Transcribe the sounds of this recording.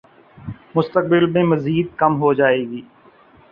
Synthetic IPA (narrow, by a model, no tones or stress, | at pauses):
mʊst̪ək̚bɪlmẽːməziːd̪̚kəmɦod͡ʒaːeːɡiː